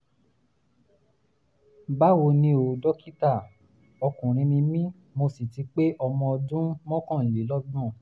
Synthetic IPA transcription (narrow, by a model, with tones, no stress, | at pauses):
ba˦wo˧nĩ˧o˨dɔ˦ki˦ta˦˨ | ɔ˧kũ˨ɾ̃ĩ˧nĩ˧mĩ˦ | mo˧si˨ti˨˧k͡pe˦ʔɔ˧mɔ̃˧ɔ˧dũ˦mɔ̃˦kɔ̃˦˨je˨˦lɔ˦ɡ͡bɔ̃˦˨